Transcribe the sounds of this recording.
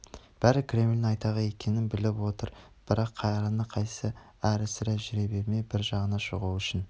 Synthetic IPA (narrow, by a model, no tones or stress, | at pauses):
b̥æɾɪkʲʰɾʲe̞mlʲɪnɑjt̪ɑʁɑe̞kʲʰe̞nɪnbɪlɪpwo̞t̪əɾ | b̥ɪɾɑqʰːɑjɑɾɑnːəqʰɑjsə | æɾɪsɪɾæʒɪɾebeɾme̞bɪɾʒɑʁənɑʃoʁuwʏʃɪn